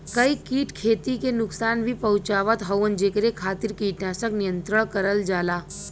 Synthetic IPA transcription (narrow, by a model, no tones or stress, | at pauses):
kəikiːʈkʰet̪ikenuksanbʱipəɦut͡ʃaʋət̪ɦəwənd͡ʒekɾekʰat̪iɾkiːʈnasəknijənt̪ɾəɳ̃kəɾəld͡ʒaːla